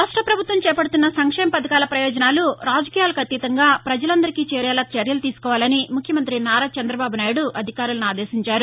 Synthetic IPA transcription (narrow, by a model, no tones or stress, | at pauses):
ɐʂʈɐpɾɐbʱut̪ʋɐmt͡ʃɛːpɐɽut̪unːɐsɐŋkʂɛːmɐpɐd̪ɐkaːlɐpɾɐjɔːd͡ʒɐnaːluɾaːd͡ʒɐkiːjaːlɐkʰɐt̪ːit̪ɐŋɡaːpɾɐd͡ʒɐlɐnd̪ɐɾikiːt͡ʃɛːɾɛːlaːt͡ʃɐɾjɐlut̪iːsu̥kɔːʋaːlɐnimukʰjɐmɐnt̪ɾinaːɾaːt͡ʃɐnd̪ɾɐbaːbunaːjuɽuʔɐd̪ʱikaːɾulɐnuaːd̪ɛːsiɲt͡ʃaːɾu